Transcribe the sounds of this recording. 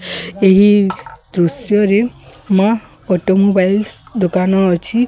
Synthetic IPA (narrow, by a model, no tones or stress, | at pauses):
eɦid̪ɾusjɔɾema | ɔʈomobajlsd̪okanɔːt͡ʃʰi